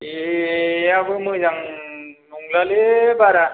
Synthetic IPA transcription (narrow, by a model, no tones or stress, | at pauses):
e | abɯmɯzaŋnuŋlalebaɾa